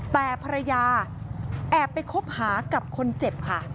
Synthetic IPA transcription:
t̪ɛː˨˩pʰa˧ɾa˧jaː˧ | ʔɛː˨˩pːa˧jkʰo˦˥p̚haː˩˦ka˨˩p̚kʰo˧nt͡ɕe˨˩p̚kʰa˥˩

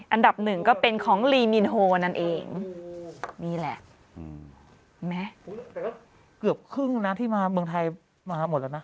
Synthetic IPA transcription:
ʔa˧nda˨˩p̚nɯ˨˩ŋkɔː˥˩pe˧nkʰɔː˩˦ŋliː˧mi˧nɦoː˧na˥˩nʔeː˧ŋ | niː˥˩lɛ̰˨˩ʔ | mɛ˦˥ | kɯ˨˩əp̚kʰɯ˥˩ŋna˦˥t̪ʰiː˥˩maː˧mɯ˧ŋt̪ʰa˧j | maː˧mo˨˩t̪̚lɛː˧˩˦na˦˥

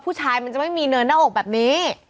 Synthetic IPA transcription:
pʰuː˥˩t͡ɕʰaː˧jma˧nt͡ɕa˨˩ma˥˩jmiː˧nɯː˧naː˥˩ʔoː˨˩k̚bɛː˨˩p̚niː˦˥

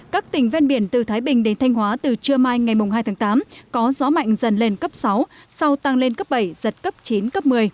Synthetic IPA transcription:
kaː˦˥k̚t̪ï˨˩ŋ̟vɛ˧nɓi˧˩ənt̪ɨ˨˩t̪ʰaː˨˦jɓï˨˩ŋ̟ɗe˨˦nt̪ʰa˧jŋ̟hwaː˨˦t̪ɨ˨˩t͡ɕɨ˧əmaː˧jŋa˨˩jmʊ˨˩ŋ͡mɦaː˧jt̪ʰaː˨˦ŋt̪aː˨˦mkɔ˨˦zɔ˨˦ma̰˧˨jŋ̟zə˨˩nle˧nkə˦˥p̚sa˨˦wsa˧wt̪a˧ŋle˧nkə˦˥p̚ɓə˧˩jzə˨˩t̚kə˦˥p̚t͡ɕi˨˦nkə˦˥p̚mɨ˧əj

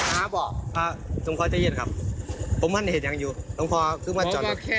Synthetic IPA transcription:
aː˧˦bɔː˨˩ʔaː˧˩t̪o˧˦ŋkʰɔː˧˩t͡ɕa˧˦je˧˩˨nkʰa˧p̚ːʰo˨˦ma˧˥nːa˧˩˨t̚ɲa˧˦ŋjuː˧t̪o˧˦ŋkʰɔː˧kʰɯː˧maː˧˥˩t͡ɕɔː˨˩˧

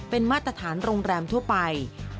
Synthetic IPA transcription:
pe˧nmaː˥˩t̪ɾa˧t̪ʰaː˩˦nɾoː˧ŋɾɛː˧mt̪ʰu˥˩pa˧j

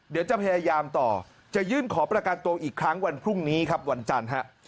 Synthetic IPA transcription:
di˩˦wt͡ɕa˨˩pʰa˧jaː˧jaː˧mt̪ɔː˨˩ | t͡ɕa˨˩jɯː˥˩nkʰɔː˩˦pɾa˧ka˧nt̪u˧ɐʔiː˨˩kʰɾa˦˥ŋwa˧npʰɾu˥˩ŋniː˦˥kʰa˦˥p̚wa˧nt͡ɕa˧nɦa˦˥ʔ

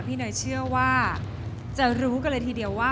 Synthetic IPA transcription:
pʰiː˥˩nɔː˨˩˦jt͡ɕʰɯ˥˩əwaː˥˩ | t͡ɕa˨˩ɾuː˦˥ka˧˩la˧jt̪ʰiː˧di˧˩əwːaː˥˩

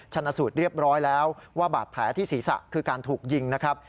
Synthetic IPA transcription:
t͡ɕʰa˧nːa˧suː˨˩t̪̚ɾi˥˩əp̚ɾɔː˦˥jlɛː˦˥wwaː˥˩baː˨˩t̪̚pʰlɛː˩˦˥t̪ʰiː˥˩siː˩˦sa̰˨˩kʰɯː˧kaː˧nt̪ʰuː˨˩k̚ji˧ŋna˦˥kʰɾa˦˥p̚

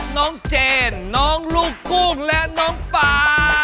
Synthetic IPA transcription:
nɔ˨˧˦nt͡ɕɛ˧˩nːɔ˨˧˦ŋlu˧˩ku˧ŋlɛ˧˥nɔ˨˧˥nfaː˨˧

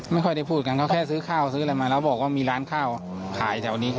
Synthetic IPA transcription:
ma˥˩jkʰɔ˥˩jda˥˩jpʰuː˥˩t̪̚ka˧nkʰaː˥˩kʰɛː˥˩s̬ɯː˦˥kʰaː˥˩wsɯː˦˥˧la˧jmaː˧lɛː˦˥wbɔː˨˩k̚waː˥˩miː˧ɾaː˦˥nkʰaː˥˩w | kʰaː˩˦jt̪ʰɛː˨˩˦wniː˦˥

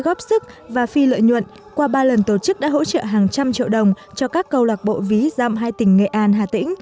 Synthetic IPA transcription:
ɣɔ˦˥p̚sɨ˦˥k̚ | vaː˨˩fi˧lə̰˧˨jɲwə̰˧˨n | kwaː˧ɓaː˧lə˨˩nt̪o˨˩t͡ɕɨ˦˥k̚ɗa̰ː˧˥ɦo̰˧˥t͡ɕə̰ː˧˨ɦaː˨˩ŋt͡ɕa˧mt͡ɕḭ˧əwɗə˨˩wŋ͡m | t͡ɕɔ˧kaː˦˥kːə˧wlwaː˨˩t̚ɓo̰˧˨vi˨˦za̰ː˧˨mɦaː˧jt̪ï˧˩ŋ̟ŋḛ˧˨ʔaː˧nɦaː˨˩t̪ḭ˧˥ŋ̟

